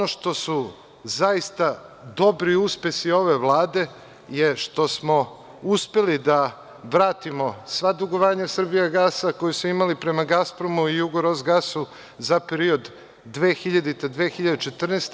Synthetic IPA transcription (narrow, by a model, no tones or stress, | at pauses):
onoʃt̪o̞su | zaist̪ad̪o̞bɾiuspe̞sio̞ʋe̞ʋlˠaːd̪e̞ | jeʃt̪o̞smo̞ | uspe̞lid̪a | ʋɾaːt̪imo̞sʋad̪uɡo̞ʋaːɲasr̩bijaɡasako̞jusuimalipɾe̞maɡaspɾo̞muijuɡoɾozɡasu | zapeɾio̞d̪ː | ʋeːxiʎad̪it̪ed̪ʋeːxiʎad̪et͡ʃe̞t̪r̩nest̪e